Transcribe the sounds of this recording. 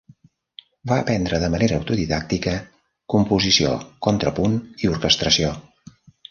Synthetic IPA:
baəpɛnd̪ɾəðəməneɾəːwt̪uðiðak̚t̪ikə | kumpuzisio̰kɔnt̪ɾəpuniuɾkəst̪ɾəsio

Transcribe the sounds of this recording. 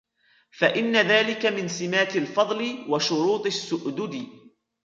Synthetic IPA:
faʔɪnːaðaːlɪkamɪnsɪmaːt̪alfɑðˤlɪwaʃʊɾuːt̪ˤɪsːʊʔd̪ʊd̪ɪ

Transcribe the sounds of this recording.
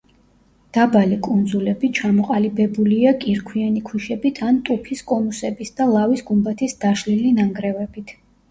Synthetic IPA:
d̪̥abalikʼund̪zulɛbit͡ʃʰamɔqʼalibɛbuliakʼiɾkʰwianikʰwiʃɛbit̪ʰant̪ʼupʰiskʼɔnusɛbisd̪alˠavisɡumbat̪ʰisd̪̥aʃlilinaŋɡɾɛvɛbit̪ʰ

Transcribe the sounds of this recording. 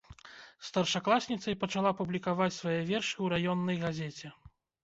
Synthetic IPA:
st̪ɐrʂaklˠasʲnʲit̪sɐjpɐt͡ʂalˠapublʲikavat͡sʲsvajɛvʲɛrʂɨwɾajɔnːɐjɣazʲɛt͡sʲɛ

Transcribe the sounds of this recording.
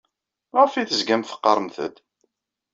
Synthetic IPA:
mʁəfiθəzɡæmθə̥qːɑɾˤəmθə̰d̪

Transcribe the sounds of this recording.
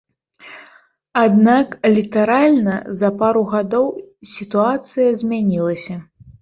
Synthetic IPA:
ad̪naklʲit̪aɾalʲnɐ̰zɐpaɾuɣad̪ɔwsʲit̪uat̪sɨjɐzʲmʲanʲilˠɐsʲɐ

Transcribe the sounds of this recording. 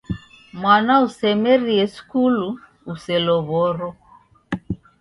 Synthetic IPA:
mwanausɛmɛɾiɛskuluː | sɛlɔɣɔɾɔ

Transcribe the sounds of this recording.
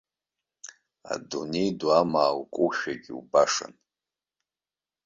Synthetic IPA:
a̰dunejdwamaːwkʷʼuʃᶣaɡʲiubaʂa̰n

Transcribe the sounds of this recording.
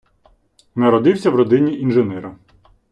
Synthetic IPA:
nɐɾɔd̪ɪwsʲɐwɾɔd̪ɪnʲiʔinʒenɛɾɐ

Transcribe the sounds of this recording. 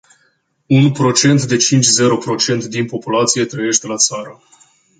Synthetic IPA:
unpɾo̞t͡ʃe̞nt̪d̪e̞t͡ʃint͡ʃʲze̞ɾo̞pɾo̞t͡ʃe̞nt̪d̪inpo̞pulat̪sije̞t̪ɾəje̞ʃt̪elat̪saɾə

